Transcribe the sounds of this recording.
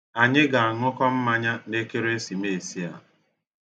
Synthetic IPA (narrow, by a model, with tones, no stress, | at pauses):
a˨ɲɪ˦ɡa˨a˨ŋʊ˦kɔ˦m̩˦ma˦ɲa˦ne˦ke˦ɾe˦e˦si˨me˨si˦a̰˨